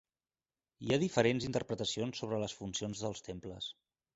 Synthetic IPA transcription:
iaðifəɾenzint̪əɾpɾət̪əsionsːoβ̞ɾələsfunsionzðəlˠst̪empləs

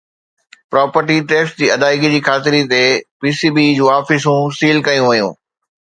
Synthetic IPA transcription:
pɾɔːpəɾʈiʈeːksd͡ʑiːɐd̪aːɪɡd͡ʑiːxaːt̪ɪɾit̪epiːsiːbid͡ʑũːaːfɪs̬ũsiːlkɐjũʋɐjṵ̃ː

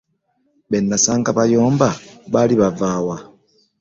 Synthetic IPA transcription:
βenːasaːŋɡaβajoːmbaβaliβavaːwa

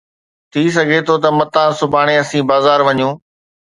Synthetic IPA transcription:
t̪ʰiːs̬ɐɡʱet̪ʰot̪ɐmɐt̪ãːsʊbʱaːɽ̃eɐsĩːbaːzaːɾʋɐɲõː

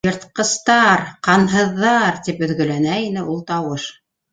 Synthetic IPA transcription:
jɤ̆ɾt̪qɤ̆st̪ɑɾqɑnɦɤ̆ðːɑɾt̪ipɵ̆ðɡɵ̆lænæinɘulˠt̪ɑwɤʃ

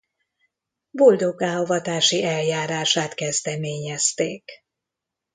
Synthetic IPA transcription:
bo̞ld̪o̞ɡaːovɒt̪aːʃiʔɛljaːɾaːʃaːt̪kɛzd̪ɛmeːɲɛst̪eːk

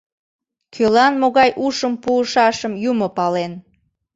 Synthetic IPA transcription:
kʰølɑnmoɣɑjʔuʃəmpuːʃɑʃəmjumopɑlen

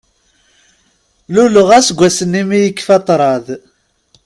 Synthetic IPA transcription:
luləʁæsɡʷːæsənːimijəkːfɑt̪ˤɾˤɑð

